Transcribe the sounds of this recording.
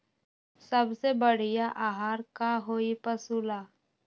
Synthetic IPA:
səbsebəɽ̤ijaʔaɦaːɾkaɦoːipəsula

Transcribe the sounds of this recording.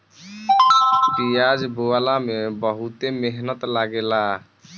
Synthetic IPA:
bijad͡ʒbualamebəɦut̪emeɦnət̪laɡela

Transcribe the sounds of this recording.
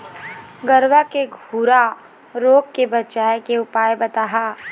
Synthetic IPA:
ɡəɾʋakeɡʱuːɾa | ɾoːkkebɐt͡ʃaːjkeʊpaːjbɐt̪aːɦaː

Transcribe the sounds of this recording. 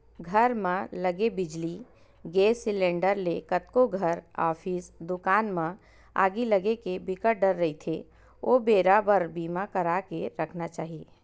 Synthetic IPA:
ɡʱəɾmãləɡebɪd͡ʒli | ɡeːsɪlẽːɳɖəɾlekət̪koɡʱəɾa̰ːpʰiːsd̪ʊkaːnmã | a̰ːɡiləɡekebɪkəʈ̚ɖəɾːɐit̪ʰe | oːbeːɾabəɾbiːmakəɾakeɾəkʰnat͡ʃaːɦie

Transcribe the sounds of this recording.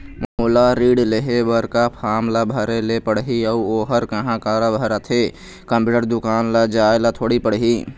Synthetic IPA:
məmulaɾiɖleɦebəɾkapʰamlabʱəɾelepəɽɦiəuoɦəɾkəɦãkaɾəbʱəɾət̪ʰɦe | kəmpjuːʈəɾd̪ukaːnlad͡ʒaelat̪ʰoɽipəɽɦi

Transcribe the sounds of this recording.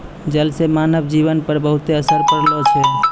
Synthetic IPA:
d͡ʒəlsemanəbd͡ʒiβənpəɾbəɦut̪eəsəɾpəɾlot͡ʃʰɛ

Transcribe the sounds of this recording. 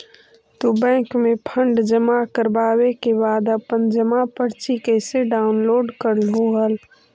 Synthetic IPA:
t̪obɛ̃ːkmepʰəɳɖd͡ʒəmakəɾbaːwekebaːd̪əpənd͡ʒəmapəɽt͡ʃikeɪseɖaːʊnloːɖkəɾlɦoɦəl

